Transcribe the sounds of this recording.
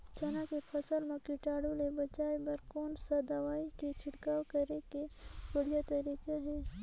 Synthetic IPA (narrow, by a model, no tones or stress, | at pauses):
t͡ʃɐnakepʰɐsəlmẽkɪʈaːɽulebɐt͡ʃaːebɐɾkoːnsad̪aʋaːiket͡ʃʰɪɽkaːwkɐɾekebəɽ̤ijat̪ɐɾiːkeɦɛː